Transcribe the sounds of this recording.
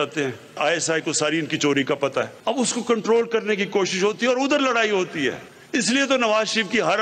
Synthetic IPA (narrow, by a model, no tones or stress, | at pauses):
aːt̪eɦɛ̃ː | aːɛsaːikosaːɾiɪnkit͡ʃoːɾikapɐt̪aɦɛːɐbʊskokɐ̃ɳʈɾoːlkɐɾnek̬ikoːʃɪʃɦoːt̪iɦɛɔːɾʊd̪əɾlɐɽaːiɦoːt̪iɦɛ̰ː | ɪsliet̪onɐʋaːzʃɾiːʋkiɦɐɾ